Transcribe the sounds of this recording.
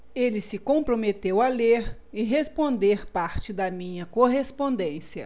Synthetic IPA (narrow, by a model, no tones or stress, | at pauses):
elisɪkõmpɾomet̪ewɐleɾ | ɪɦespõnd̪eɾpaɾt͡ʃɪd̪ɐmĩɲɐkoɦespõnd̪ẽsjɐ̰